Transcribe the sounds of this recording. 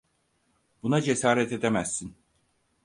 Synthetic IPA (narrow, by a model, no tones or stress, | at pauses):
b̥unad͡ʒesaːɾɛt̪ʰe̞d̪emæzːin